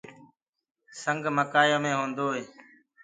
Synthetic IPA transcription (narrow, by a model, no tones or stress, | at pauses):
səŋɡʱməkaːjõːmẽːɦõːnd̪oːɦeː